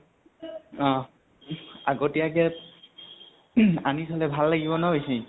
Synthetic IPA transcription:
ɔ̃ | aɡotijakɛ | anitʰɔlɛbʱalːaɡibɔnaɦijsi

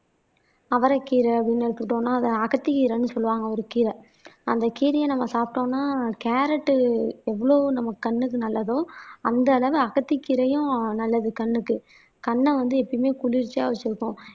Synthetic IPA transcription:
ɐʋɐɾɐkiːɾɐɐpɽɪnːɛɽɯt̪ːɯkːʈːõːnːaːɐðɐɐɣɐt̪ːikiːɾɐnːɯsɔlːɯʋaːŋɡɐɔɾɯkiːɾɐ | ɐnd̪ɐkiːɾɐjɐ̃nɐmːɐsaːpɪʈõːnːaːkeːɾɐʈːɯɛʋːɐɭoːnɐmːɐkɐɳːɯk̬ːɯnɐlːɐðõɐnd̪ɐːlɐʋɯɐɣɐt̪ːikːiːɾɐjʊ̃nɐlːɐðɯkɐɳːɯkːɯ | kɐɳːɐʋɐnd̪ɯɛpːɐɽɪmeːkʊɭɪɾt͡ʃːaːʋɐt͡ʃːɪɾɯkːʊ̃

